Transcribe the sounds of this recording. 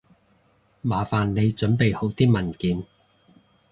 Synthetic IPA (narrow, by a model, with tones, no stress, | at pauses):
maː˨˩faː˨nne˨˧jt͡ʃɵ˨˥npe˨jho˨˥wt̪iː˥mɐ˨˩nkiː˨n